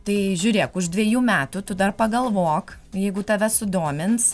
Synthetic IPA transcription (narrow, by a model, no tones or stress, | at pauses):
t̪ɐɪʒʲʊːɾʲeːkʊʃd̪ʲʋʲiɛjuːmʲæːt̪ʊt̪ʊd̪ɐrpɐɡɐlˠʋoːk | jɛɪɡʊt̪ɐʋʲɛsʊd̪oːmʲɪns